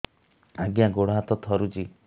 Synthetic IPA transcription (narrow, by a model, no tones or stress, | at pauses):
aɡjaɡoɽɔɦat̪ɔt̪ʰɔɾut͡ʃi